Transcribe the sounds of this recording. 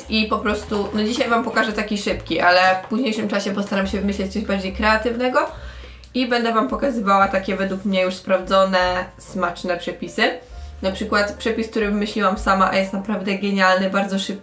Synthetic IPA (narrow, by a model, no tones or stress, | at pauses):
ipɔpɾɔst̪unɔd͡ʑiɕajvampɔkaʐɛt̪akʲiʂɘpkʲiʔalɛfpuʑɲejʂɘmt͡ʂaɕɛpɔst̪aɾamɕɛvɘmɘɕlɛt͡ɕ̚t̪sɔʑbaɾd͡ʑejkɾɛat̪ɘvnɛɡɔ | ibɛnd̪ɛvampɔkazɘvawat̪akʲɛvɛd̪wukmɲɛjuʂspɾavd̪zɔnɛsmat͡ʂnɛpʂɛpʲisɘnapʂɘkwat̪pʂɛpʲisk̚t̪uɾɘvɘmɘɕlʲiwamsamaʔa̰jɛst̪napɾavd̪ɛɡɛɲalnɘbaɾd̪zɔʂɘp̚